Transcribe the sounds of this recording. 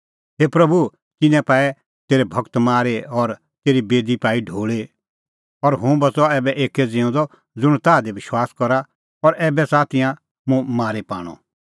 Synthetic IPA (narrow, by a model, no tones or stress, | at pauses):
ɦeːpɾɐbu | kɪnɛ̃paːɛ | t̪eːɾɛbʱɐkt̪maːɾeɔɾ | t̪eːɾibeːd̪ipaːiɖʱoːɭe | ɔɾɦʊ̃bɐt͡sɔɛːbɛʔeːkɛd͡zẽʊ̃d̪ɔ | d͡zʊɽ̃t̪aːd̪eʋɪʃwaːskɔɾa | ɔɾɛːbɛsaːt̪ʰɪjã | mũmaːɾepa̰ːɽ̃ɔ̰